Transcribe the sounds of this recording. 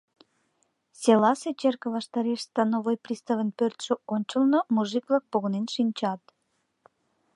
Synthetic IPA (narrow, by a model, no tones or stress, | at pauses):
sʲelɑset͡ɕerkə̆vɑʃt̪ɑɾeʃst̪ɑnoβojprʲist̪ɑvənpørt̪ʃə̆onʲt͡ɕəlnomuʒiklɑk̚poɣonenʃinʲt͡ɕɑt̪